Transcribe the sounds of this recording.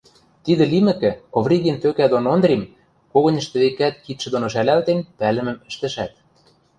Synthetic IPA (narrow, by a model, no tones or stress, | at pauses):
t̪id̪ɘ̆limɘ̆kɘ̆ovrʲiɣent̪økæd̪onond̪rʲim | koɣɤ̆nʲə̆ʃt̪ɘ̆βekæt̪̚kit̪ʃɘ̆d̪onoʃ̬ælælt̪enpælɘ̆mɘ̆mɘ̆ʃt̪ɘ̆ʃæt̪̚